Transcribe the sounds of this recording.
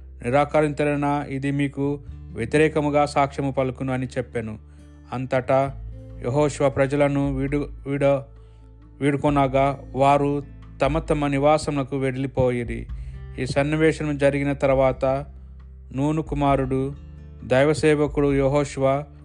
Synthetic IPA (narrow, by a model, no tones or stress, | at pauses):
niɾaːkɐɾiɲt͡ʃ̪ɐlɐnɐid̪imiːkuʋjet̪iɾɛːkɐmuɡaːsaːkʂɐmupɐlukunuɐnit͡ʃɛpːɐnu | ɐnt̪ɐʈɐjʔeɦɔːʂuʋɐpɾɐd͡ʒɐlɐnuɽiɽɐ | ʋiːɽukɔnaːɡaːʋaːɾu | t̪ɐmɐt̪ɐmɐniʋaːsɐmlɐkuʋeɽilipoːjiɾḭiːsɐnːiʋɛːʂɐɐmud͡ʒɐɾiɡinɐt̪ɐɾuʋaːt̪ɐ | nuːnukumaːɾuɽu | d̪ɐjʋɐsɛːʋɐkuɽujoɦoːʂuʋa